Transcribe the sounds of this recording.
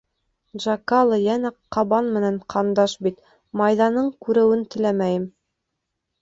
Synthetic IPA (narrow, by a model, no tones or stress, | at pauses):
ʒɑkɑlˠɤjænæqɑβɑnmɘ̆nænqʰɑnd̪ɑʃbit̪ | mɑjðɑnɤɴkʉɾɘ̆wɘnt̪ɘ̆læmæjɘm